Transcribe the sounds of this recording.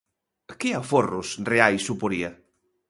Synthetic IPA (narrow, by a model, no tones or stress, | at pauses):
kɪaforʊsreajsːupoɾia